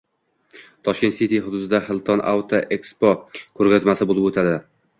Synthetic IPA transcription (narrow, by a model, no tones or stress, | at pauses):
t̪ʰɒʃkʲet̪sit̪iɦʊd̪ʊd̪ɪd̪aχɪlˠt̪ʰɒna̰wt̪ʰoʔekspokʰɵɾɡʲazmasɪbolˠɪpot̪ʰad̪ɪ